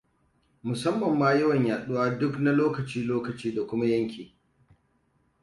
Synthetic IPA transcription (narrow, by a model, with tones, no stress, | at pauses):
mʊ˨sɐ˦mːɐ˨mːaː˦jɐ˦wɐ˨ɲjaː˨ɗʊ˦waː˦dʊ˦kna˦loː˦kɐ˨t͡ʃiː˦loː˦kɐ˨t͡ʃiː˦da˨kʷʊ˦ma˦jɐ˦ŋkʲiː˨